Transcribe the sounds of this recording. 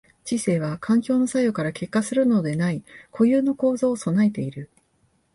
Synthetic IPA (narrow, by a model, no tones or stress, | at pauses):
t͡ɕise̞ːβ̞akʰãŋkʲo̞ːno̞sajo̞kaɾake̞kːasɨɾɯ̟no̞d̪e̞naikʰo̞jɯ̟ːno̞ko̞ːzoːso̞naet̪e̞iɾɯ̟